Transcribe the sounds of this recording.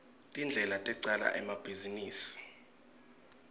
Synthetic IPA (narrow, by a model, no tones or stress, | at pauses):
tʼind͡ɮʱɛlatʼɛǀala̰ʔɛmab̥ʱiziniːsi̥